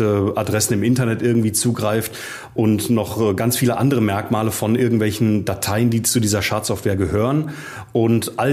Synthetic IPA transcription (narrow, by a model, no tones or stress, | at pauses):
əʔadʁɛsn̩ɪmɪntɐnɛtʔɪɐɡŋ̩tv̥iːt͡suːɡʁaɪft | ʔʊntnɔχɡ̥ant͡sfiːləʔa̰ndəʁəmɛɐkmaːləfɔnʔɪɐɡŋ̩tv̥ɛlçn̩datʰaɪəndiːt͡sudiːzɐʃaɐtsz̥ɔftv̥eːɐɡəhøːʁən | ʔʊntʔa